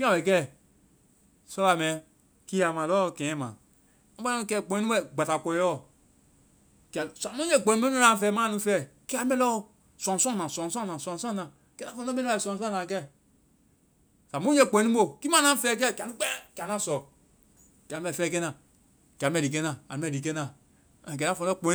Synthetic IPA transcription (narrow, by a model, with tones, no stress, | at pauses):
ki˦ã˨bɛ˨kɛ˦˨ | sɔ˦a˨mɛ̃˨˦ | ki˦a˨mã˨lɔː˦kɛ̃˨ɛ̃˦mã̰˨ | ã˨˦ba˦ã˦˧kɛː˦˨k͡põ˨ĩ˦nĩ˦ɛ˦˨ɡ͡ba˨ta˨kɔ˨˦ɔ˦ | kɛ˨sa˨mũ˦je˦˨k͡põ˨˦mɛ̃˦ũ˦lã˨˦fɛː˨˦mãː˦nũ˧˦fɛː˦˨ki˦a˨˦mɛ̃˦lɔ˦˧ | sɔ̃˨sɔ̃˦˨nã˨sɔ̃˨sɔ̃˦nã˨sɔ̃˨sɔ̃˦nã˨ | kɛ˦na˦fɔ̃˧˨˦ɔ˦mẽ˦n˦ɛ˨sɔ̃˨s̬ɔ̃˦˨ã˨kɛ˦˨ | sa˨mõ˦e˦˨k͡põ˨˦nĩ˦o˦˨ki˦mã˦nã˦fɛ˦˨˦k̬ɛ˦˨kʲa˨nũ˦k͡pɛ˦ka˨nã˦˨sɔ˨ | ki˨ã˨˦ɛ˨fɛ˦k̬e˦nã˨ | ki˨a˨˦m˦ɛ˨i˨k̬e˦nã˨a˨ñ˦mɛ˦˨di˨k̬e˦nã˨ | k̬ɛ˨a˦fɔ̃˨˦ɔ˦k͡põ˨˦